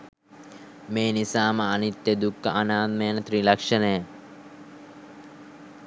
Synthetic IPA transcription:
meːnisaːməɐnit̪jəd̪ukːəʔanaːt̪̚mejənət̪ɾiːlɐkʂɐnəjə

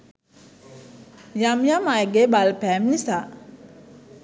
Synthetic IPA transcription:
jamjamajɡebalpɛmnisa

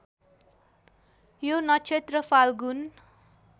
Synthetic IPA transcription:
jonʌt͡ʃʰet̪rʌpʰalɡun

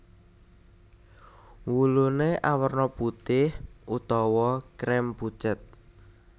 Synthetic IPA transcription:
wuluneʔawərnɔput̪ɪhʔut̪ɔwɔkɾɛmput͡ʃət̪̚

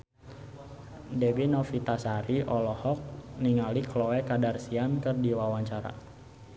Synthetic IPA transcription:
dɛbinɔfit̪asaɾiʔɔlɔhɔk̚niŋaliklɔwɛkadarsiankɨrdiwawaɲt͡ʃaɾa̰

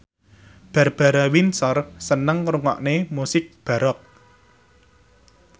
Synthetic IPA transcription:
b̥a̤rb̥a̤ɾawinsɔrsənəŋruŋɔ̰ʔnemusɪk̚b̥a̤ɾɔk̚

